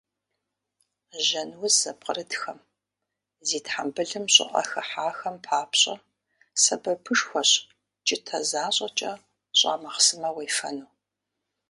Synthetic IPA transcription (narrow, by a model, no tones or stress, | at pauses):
ʒɐnwʊzɐp̚ʼqəɾɨdxɐm | ziːtħambɨɮɨmɕʼɪ̰ʔʼɐ̰xɐħaːxɐmpʰaːpɕʼɐ̰ | sɐbɐpʰɨʂxʷɔɕ | t͡ʃʼɪtʰɐzaːɕʼɐt͡ʃʼɐ | ɕʼa̰ːmɐχsɨmɐwejfɐ̰nuː